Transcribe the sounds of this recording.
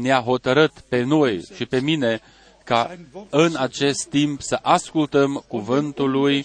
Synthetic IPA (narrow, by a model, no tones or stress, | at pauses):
neaɦo̞t̪əɾɨt̪pe̞no̞jʃipe̞mine̞ | kaɨnat͡ʃe̞st̪ːimpsəʔaskult̪əmkuvɨnt̪uluj